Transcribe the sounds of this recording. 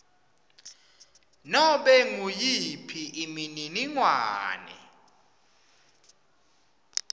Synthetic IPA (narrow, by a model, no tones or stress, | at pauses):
nɔɓɛŋujipʰiimininiŋwaːnɛ̰